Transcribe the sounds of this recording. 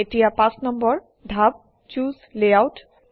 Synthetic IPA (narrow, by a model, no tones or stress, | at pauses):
etijapãsnɔmbɔɹ | d̪ʱab̚ | t͡ɕuzleawt